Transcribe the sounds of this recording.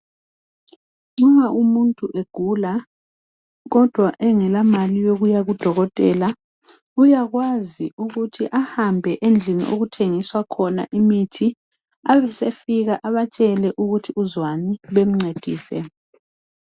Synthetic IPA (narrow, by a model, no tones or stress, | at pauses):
ŋ͡ǀuŋaʔumuntʼuʔeɡ̥ʱula | ɣɔd̥ʱwaʔɛŋɛlamalijoɣujaɣud̥ʱɔɣɔtʼɛla | ujaɣwaziuɣutʰiʔahambʱɛʔend͡ɮʱinḭʔo̰ɣutʰeŋiswakʰɔna̰ʔimitʰi | aβɛsefiɣaʔaβat͡ʃʼɛlɛʔuɣutʰiuzwaniβem̩ŋ͡ǀed̥ʱḭːsɛ̰